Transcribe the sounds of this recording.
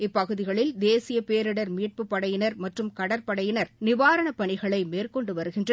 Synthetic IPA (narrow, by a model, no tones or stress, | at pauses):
ɪpːɐɣɯðɪɣɐɭɪld̪eːsɪjɐpeːɾɪɽɐɾmiːʈ̚pɯpːɐɽɐjɪnɐɾmɐʈrɯmkɐɽɐɾpɐɽɐjɪnɐɾnɪʋaːɾɐɳɐpɐɳɪɣɐɭɐɪmeːrkɔɳɖɯʋɐɾɯɣɪndrɐ